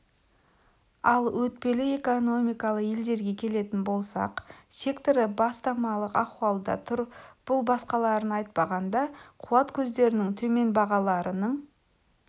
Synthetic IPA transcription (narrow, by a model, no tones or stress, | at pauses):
ɑlˠwɵt̪̚pe̞lɪe̞kono̞mijkɑlˠəqje̞ld̪e̞ɾɡʲe̞kʲʰe̞le̞t̪ɪnbo̞lˠsɑ̰qsʲe̞kt̪oɾɪbɑst̪ɑmɑlˠəqɑquɑlˠd̪ɑ̰t̪ʰʊɾb̥ʊlˠbɑsqɑlˠɑɾənɑjt̪̚pɑʁɑnd̪ɑqʰuɑt̪kʲʰɵzd̪e̞ɾɪnɪŋt̪ʰɵme̞nbɑʁɑlˠɑɾənəɴ